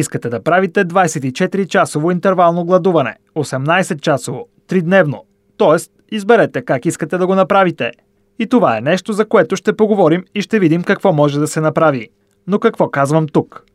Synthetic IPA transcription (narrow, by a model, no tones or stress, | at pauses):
iskət̪ɛd̪ɐpɾavit̪ɛd̪vajsɛt̪it͡ʃɛt̪iɾit͡ʃasovoint̪ɛɾvalˠnoɡlˠɐd̪uvɐnɛ̰ | osɛmnajsɛt̪̚t͡ʃasovo | t̪ɾid̪nɛvno | t̪ɔɛst̪izbɛɾɛt̪ɛkakiskət̪ɛd̪ɐɡonɐpɾavit̪ɛ | it̪ovaɛ̰nɛʃt̪ozɐkoɛt̪oʃt̪ɛpoɡovɔɾimiʃt̪ɛvid̪imkɐkvɔmɔʒɛd̪ɐsɛnɐpɾavi | nokɐkvɔkazvɐmt̪uk